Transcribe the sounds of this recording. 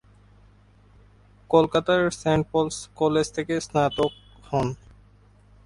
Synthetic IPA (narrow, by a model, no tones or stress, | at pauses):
kolkat̪aɾsɛɳʈ̚polskɔled͡ʑt̪ʰekesnat̪ok̚ | hɔn